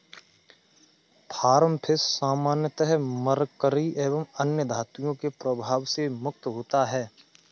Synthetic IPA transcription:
p̪ʰaːɾəmpʰɪssaːmaːnjət̪əɦɛməɾkəɾieːbəmənjəd̪ʱaːt̪ijõkepɾəbʱaːwsemʊk̚t̪ɦoːt̪aɦɛː

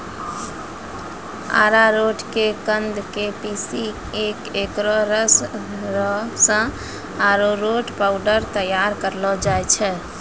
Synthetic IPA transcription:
a̰ɾaɾoʈkekənd̪kepisi | ekekɾɔɾəs | ɾɔsə̃ | aɾoɾoʈpaʊɖəɾt̪əjaɾkəɾlɔd͡ʒajt͡ʃʰɛ

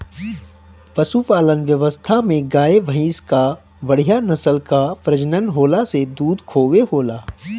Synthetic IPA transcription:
pɐsupaːlənʋjɐʋəst̪ʰamẽɡaːeʋʱəĩːska | ʋɐɽ̤ijanɐsəlkapɾɐd͡ʒnənɦoːlased̪uːd̪kʰoːʋeɦoːlaː

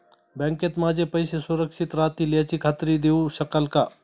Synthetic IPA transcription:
bɛ̃ŋket̪maːd͡ʒepəjsesʊɾəkʃɪt̪ɾaːt̪iljet͡ʃikʰat̪ɾid̪euʃəkəlka

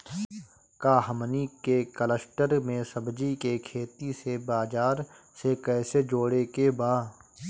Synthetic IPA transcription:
kaːɦəmnikekələsʈəɾmẽsəbd͡ʒikekʰeːt̪isebaːd͡ʒaːɾ | sekɛːsed͡ʒoːɽekebaː

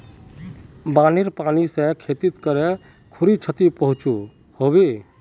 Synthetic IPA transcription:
baːneɾpaːnisẽkʰeːt̪it̪kəɾe | kʰʊɾit͡ʃʰət̪ipəɦʊ̃t͡ʃu | hoːbe

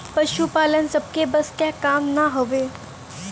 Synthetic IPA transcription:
pəʃupalənsəb̚kebəsk̪jakamnaɦoʋe

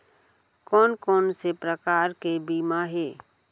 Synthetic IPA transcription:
kɔːnkɔːnsepɾəkaːɾkebiːmaɦeː

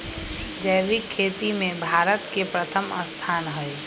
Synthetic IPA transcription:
d͡ʒəjʋikʰːet̪imẽbʱaːɾət̪kepɾət̪ʰəmə̰st̪ʰanɦəj

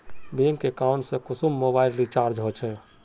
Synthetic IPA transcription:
beŋɡkekawɳsẽkusumːobaɪlːit͡ʃaɾd͡ʒɦot͡ʃʰɛ

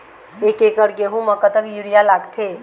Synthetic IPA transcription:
ekeɡəɽɡeɦũməkət̪əkjuɾijalaɡt̪ʰe

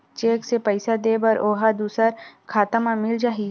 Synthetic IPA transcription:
t͡ʃeːksepəɪsad̪eːbəɾʔoːɦad̪uːsəɾkʰaːt̪əmãmɪld͡ʒaːɦi

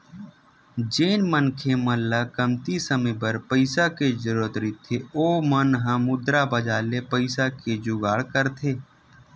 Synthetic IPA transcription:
d͡ʒeːnmənkʰeməlːakəmt̪isəməbəɾpəɪsaked͡ʒəɾuət̪ɾit̪ʰeoːmənɦãmʊd̪ɾabəd͡ʒaːlepəɪsaked͡ʒʊɡaːɽkəɾt̪ʰeː

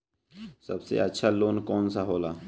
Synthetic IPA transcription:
sɐbsḛɐtːʃʰaloːnkɔːnsaɦoːlaː

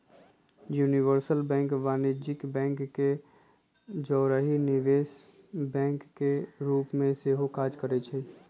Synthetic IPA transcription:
juːniʋəɾsəlbɛ̃ːŋkʋaːnɪd͡ʒɪkbɛ̃ːŋkːe | d͡ʒɔːɾaɦinɪʋeːs | bɛ̃ːŋkːeɾuːpmẽseɦokaːd͡ʒkəɾet͡ʃʰɛ

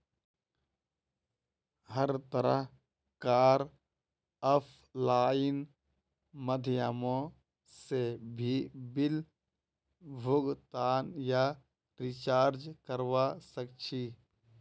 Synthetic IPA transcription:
həɾt̪əɾə̰ɦ | kaːɾ | əpʰ | laːɪn | məd̪ʱjəmõ | sebʱibɪl | bʱʊɡt̪aːnja | ɾɪt͡ʃaːɾd͡ʒkəɾwasək̚t͡ʃʰiː

